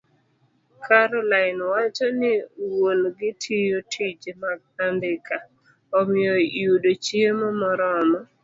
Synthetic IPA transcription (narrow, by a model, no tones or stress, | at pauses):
kʰaɾɔlaɪnwat͡ʃɔnɪwolɡɪtʰijotʰid͡ʒmaɡ̚andɪkʰa | ɔmɪjojudot͡ʃemɔmɔɾɔma